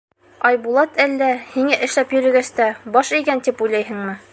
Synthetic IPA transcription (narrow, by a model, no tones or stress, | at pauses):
ɒjbulˠɑt̪ʰælːæhiŋæʔɘ̆ʃlæpjɵ̆ɾɘ̆ɡæst̪æbɒʃikænt̪ipujlˠɑjɦɘ̆ŋmɘ